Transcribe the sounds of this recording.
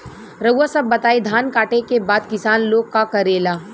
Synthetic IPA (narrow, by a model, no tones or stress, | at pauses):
ɾəasɐbːɐt̪aːid̪ʱaːnkaːʈekebaːd̪kɪsaːnloːɡ̚kːakɐɾeːlaː